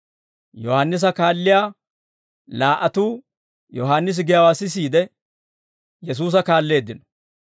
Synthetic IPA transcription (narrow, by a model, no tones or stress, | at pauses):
jɔhanːɪs̬ɐkaːlːɪjaː | laːʔɐt̪uː | jɔɦaːnːɪs̬ɪɡɪjɐwaːsːɪs̬iːd̪ɛ | jɛs̬uːs̬ɐkaːlːe̞ːd̪ːɪnɔ̥